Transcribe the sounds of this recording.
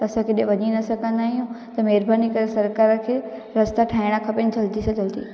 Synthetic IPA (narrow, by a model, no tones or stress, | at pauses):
t̪ɐɐsãkʰeːɗẽʋɐɲinɐsɐɡʱə̃nd̪aːɦijũt̪ɐmɛːɾbʱaːnikɐɾesɐɾkaːɾəkʰeː | ɾɐst̪aʈʰaːiɽ̃akʰɐpɪnɪd͡ʑʱɐld̪isɐd͡ʑʱəlt̪iː